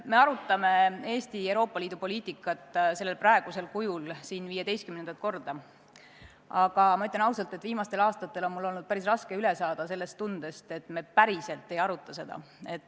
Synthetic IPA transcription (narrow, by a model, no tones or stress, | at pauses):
me̞ɑɾut̪ːˑɑme̞e̞ːst̪iewɾo̞ːpˑːɑliːd̪upo̞lʲiːt̪ˑikːˑɑt̪ːˑse̞lːelprɑe̞ɡ̥use̞lkujulsiːnviːje̞d̪e̞jst̪kymnend̪ɑt̪̚ˑko̞rd̪̥ɑ | ɑɡ̥ɑmɑyt̪lʲɑnɑwsɑlt̪ːe̞t̪viːmɑst̪e̞lɑːst̪ɑt̪ːˑe̞lo̞nmulːo̞lnud̪̥̚pæɾisrɑske̞yle̞sɑːd̪̥ɑse̞lːe̞st̪ːund̪̥e̞st̪e̞t̪ːme̞ːpæɾise̞lt̪ːˑe̞jɑɾut̪ːˑɑse̞d̪̥ɑ̰ | e̞t̪ːˑ